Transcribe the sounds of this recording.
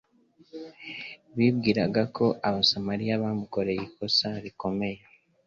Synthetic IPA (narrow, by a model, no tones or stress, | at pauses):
βiβɡiːɾaɡakʰo̞ʔaβasamaɾijaβaːmuko̞ɾe̞jiko̞saɾiko̞me̞je